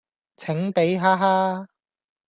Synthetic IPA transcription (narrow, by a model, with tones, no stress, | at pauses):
t͡sʰɪ˨˥ŋpe˨˥jɦaː˥ɦaː˥